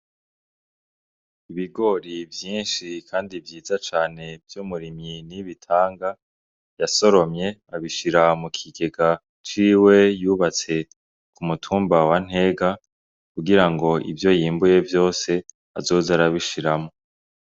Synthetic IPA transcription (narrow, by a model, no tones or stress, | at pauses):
iβiɡo̞ːɾivjiːnʃikʰaːndivjiːzat͡ʃaːne̞vjumuɾiminiβitʰaːŋɡa | jaso̞ɾo̞mɲe̞aβiʃiɾamukʰiɡe̞ɡa | t͡ʃiːwe̞juːβat͡se̞ | kumutʰuːmbawan̥he̞ɡa | kuɡiɾaŋɡo̞ʔḭvjo̞jiːmbuje̞vjo̞ːse̞ | a̰zo̞ːzaɾaβiʃiɾamo̞